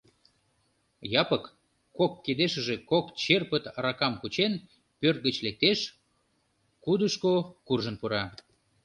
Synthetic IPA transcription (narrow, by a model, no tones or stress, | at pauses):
jɑpəkː | okːed̪eʃəʒekokt͡ɕerpət̪ɑɾɑkɑmkut͡ɕen | pørt̪̚ɡət͡ɕlek̚t̪eʃ | kud̪əʃkokurʒənpuɾɑ